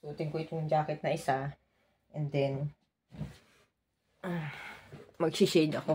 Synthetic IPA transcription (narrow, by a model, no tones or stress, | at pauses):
t̪uːt̪ɪŋkoɪt̪oŋd͡ʒaːkɛt̪̚nɐʔɪsa | ʔɛnd̪ɛn | ʔa | mɐɡsiʃɛjd̪ɐko